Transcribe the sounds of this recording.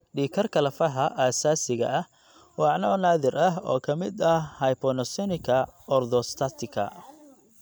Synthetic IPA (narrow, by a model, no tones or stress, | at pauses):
ɖiːkʰɐrkʰɐlɐfɐħɐʔaːsaːsɪɣɐ̰ɐh | wɑʕnɔnaːðɪrɐɦɔ̰ːkʰɐmɪd̪ɐhhɐjpɔnɔsɔnɪkʰɐɔrd̪ɔst̪ʰat̪ʰɪkʰɐ̰